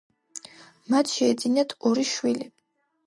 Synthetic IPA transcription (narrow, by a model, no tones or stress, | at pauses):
mat̪ʰʃɛːd̪zinat̪ʰɔɾiʃwili